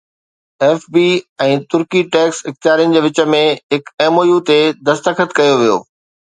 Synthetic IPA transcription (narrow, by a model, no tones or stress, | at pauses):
ɛːfbiːɛ̃ːt̪ʊɾkiʈɛːksɪxt̪ijaːɾijʊnɪ̆d͡ʑeːʋɪt͡ɕə̆mẽɦɪkeːmoːjut̪ed̪ɐst̪əkʰət̪kɐjoʋijo̰ː